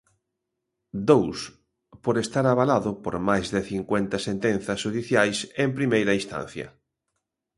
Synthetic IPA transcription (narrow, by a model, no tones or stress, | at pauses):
d̪ows | poɾest̪aɾaβalaðʊpo̰ɾmajzðeθiŋkwent̪asent̪enθɐsuðiθjajsempɾimejɾaist̪ã̰n̟θjɐ̰